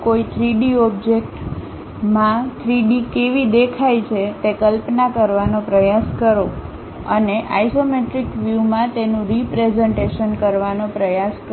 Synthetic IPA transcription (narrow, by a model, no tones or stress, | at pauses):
koit̪ʰɾiɖiɔb̚d͡ʒek̚ʈ | mãt̪ʰɾiɖikeʋid̪ekʰajt͡ʃʰet̪ekəlpnakəɾʋanopɾəjaskəɾo | ə̰neʔa̰jsomeʈɾikʋjumãt̪enũɾipɾezɛɳʈeʃənkəɾʋanopɾəjaskə